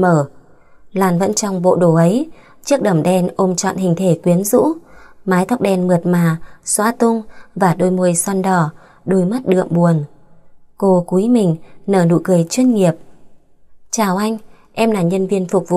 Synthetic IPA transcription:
məː˧˩ | laː˨˩nvə̰˧˥nt͡ɕɔ˧wŋ͡mɓo̰˧˨ɗo˧˩ʔə˨˦j | t͡ɕɨ˦˥ək̚ɗə˧˩mɗɛ˧nʔo˧mt͡ɕɔ̰˧˨nhï˨˩ŋ̟t̪ʰe˧˩kwi˨˦ənzṵ˧˥maː˨˦jt̪ʰa˦˥wk͡p̚ɗɛ˧nmɨ˨˩ət̚maː˧˨˩swaː˧˥t̪ʊ˧ŋ͡mvaː˨˩ɗo˧jmu˧əjswa˧nɗɔ˧˩ | ɗo˧jma˦˥t̚ɗɨ̰˧˨əŋɓu˨˩ən | ko˧ku˨˦jmï˨˩ŋ̟nəː˧˩nṵ˧˨kɨ˨˩əjt͡ɕwi˧ənŋi˨˩əp̚ | t͡ɕaː˧˩wʔa˧jŋ̟ | ʔɛ˧mlaː˨˩ɲə˧nvi˧ənfʊ˨˩k͡p̚vṵ˧˨

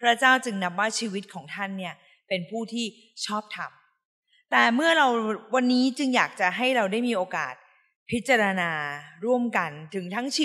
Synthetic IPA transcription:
pʰɾa˦˥t͡ɕaː˥˩wt͡ɕɯ˧ŋna˦˥p̚waː˥˩t͡ɕʰiː˧wi˦˥t̪̚kʰɔː˩˦ŋt̪ʰa˥˩nːi˥˩ɐ | pe˧npʰuː˥˩t̪ʰiː˥˩ | t͡ɕʰɔː˥˩p̚t̪ʰa˧m | t̪ɛː˨˩mɯ˥˩ɐɾa˧wwa˧nːiː˦˥t͡ɕɯ˧ŋjaː˨˩k̚t͡ɕa˨˩ɦa˥˩jɾa˧wdaː˥˩jmiː˧ʔoː˧ka̰ː˨˩t̪̚ | pʰi˦˥t̪̚t͡ɕːa˧ɾa˧naː˧ɾu˥˩əmka˧nt̪ʰɯ˩˦ŋt̪ʰa˦˥ŋt͡ɕʰː

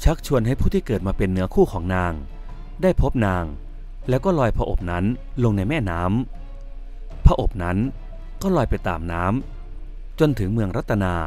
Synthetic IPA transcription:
t͡ɕʰa˦˥k̚t͡ɕʰu˧ənɦa˥˩jpʰuː˥˩iː˥˩kɤː˨˩t̪̚maː˧pe˧nːɯ˦˥ɐkʰuː˥˩kʰɔː˩˦ŋnaː˧ŋ | daː˥˩jpʰo˦˥p̚naː˧ŋ | lɛː˦˥wkɔː˥˩lɔː˧jpʰa˧ʔo̰˨˩p̚na˦˥nlo˧ŋna˧jmɛː˥˩naː˦˥m | pʰa˧ʔo˨˩p̚na˦˥n | kɔː˥˩lɔː˧jpa˧jt̪a̰ː˨˩mnaː˦˥m | t͡ɕo˧nt̪ʰɯ˩˦ŋmɯ˧əŋɾa˦˥t̪ʰːa˧naː˧

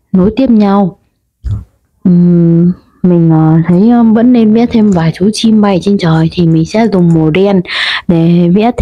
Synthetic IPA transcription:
no˨˦jt̪i˦˩əp̚ɲa˧w | ʔɨ˨˩ | mï˨˩ŋ̟ʔəː˨˩t̪ʰə˨˦jvə̰˧˥nːe˧nvḭ˧˥t̚t̪ʰe˧mvaː˨˩jt͡ɕu˨˦t͡ɕi˧mɓa˧˩jt͡ɕe˧nt͡ɕəː˨˩jt̪ʰi˨˩mï˨˩ŋ̟sɛ̰˧˥zʊ˨˩ŋ͡mmo˨˩ɗɛ˧nɗe˧˩vḭ˧˥t̪

